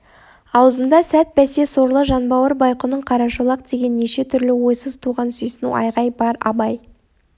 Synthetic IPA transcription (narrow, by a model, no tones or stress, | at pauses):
ɑwəzənd̪ɑsæt̪̚bæse̞so̞ɾlˠəʒɑnbɑwəɾbɑjqənəɴqʰɑɾɑʃəlˠɑq̚d̪e̞ɡʲe̞nːeʃe̞t̪ʰʏɾlɪwo̞jsəzt̪ʰuʁɑnsʏjsɪnṵʔɑ̰jʁɑjbɑɾɑ̰bɑj